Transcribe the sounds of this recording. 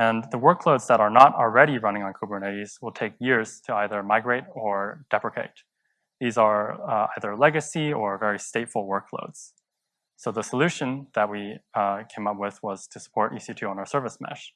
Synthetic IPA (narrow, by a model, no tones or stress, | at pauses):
ɨ̃nðəwɜ˞kʰloʊdzðəɾə˞nəɾl̩ˠɹɛɾiɹʌñɪ̃ŋə̃nkʰubəneɪɾiz̥wəlˠtʰeɪkjɪɹz̥tʰɨaɪðə˞maɪɡɹeɪɾə˞d̥ɛpɹɨkʰḛɪt̪̚ | ðizə˞a̰ɪðə˞lɛɡɨsiə˞vɛɹisteɪtfl̩ˠwɜ˞kʰlo̰ʊdz̥ | soʊðəsəlʉʃɨ̃nðət̚wikʰẽɪ̃mʌpwɪðwʌz̥tʰɨsə̥pʰɔɹɾʔḭsitʰʉə̃nə˞sɜ˞vəsmæ̰ʃ